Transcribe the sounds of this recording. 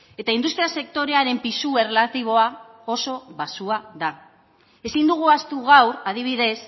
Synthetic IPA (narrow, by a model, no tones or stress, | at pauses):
e̞t̪aind̪ust̪ɾiase̞k̚t̪o̞ɾe̞aɾe̞mpisue̞relat̪iβ̞o̞a | o̞so̞βasuaða | e̞sind̪uɣ̞uast̪uɣawɾað̞iβ̞iðe̞s